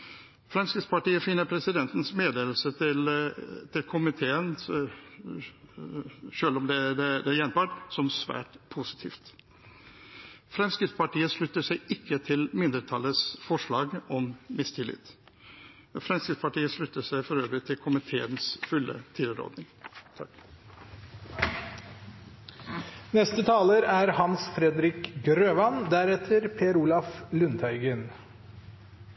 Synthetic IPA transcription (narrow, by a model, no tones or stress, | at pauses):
fɾɛmskɾɪt̪spɑʈiːəfɪnːəɾpʰɾɛsɪd̪ɛnt̪n̩smeːd̪eːʋlsət̪ɪlt̪ʰɪlkʰʊmɪt̪ʰeːən | ʃøːlɔmd̪ɛd̪ɛd̪ɛjɛnbɑʈsɔmsʋæ̰ːʈpʰusɪ̥t̪ʰḭːft̪ | fɾɛmskɾɪt̪spɑʈiːəʂɭʉt̪ːəʂæɪɪkːət̪ʰɪlmɪnd̪əʈ̪ʰɑlːəsfɔʂɭɑːɡɔmmɪst̪ʰɪlɪ̰t̪ː | fɾɛmskɾɪt̪spɑʈiːəʂɭʉt̪ːəʂæɪfɔɾøːʋəɾɪt̪ʰɪlkʰʊmɪt̪ʰeːənsfʉlːə̰t̪ʰɪləɾo̰ːd̪nɪŋt̪ʰɑk | nɛst̪ət̪ʰɑːləɾæɾhɑnsfɾɛd̪ɾɪkɡɾøːʋɑnd̪æɾɛt̪ʰəɾpʰeːəɾuːlɑflʉnt̪ʰœʏɡən